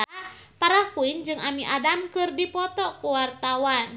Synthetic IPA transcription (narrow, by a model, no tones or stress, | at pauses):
paɾahkuind͡ʒɨŋamiʔadamkɨrdipɔt̪ɔkuwart̪awan